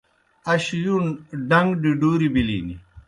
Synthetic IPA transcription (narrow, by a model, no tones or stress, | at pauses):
ɐɕjunɖɐŋɡɖiɖuːɾibilḭːnḭ